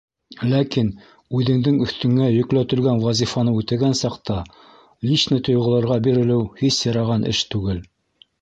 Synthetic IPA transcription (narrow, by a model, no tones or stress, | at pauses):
lækin | ʉðɘ̆ŋd̪ɘŋɵ̆θt̪ɵ̆ŋːæjɵ̆klæt̪ɵ̆lɡænwɑzʲifɑnɤʉt̪ɘ̆ɡænsɑqt̪ɑ | lʲiʃnɤt̪ŏjʁɤ̆lˠɑ̆ɾʁɑbiɾɘ̆lɘwhisjɑɾɑʁɑnʔɘ̰ʃt̪ʉɡɘl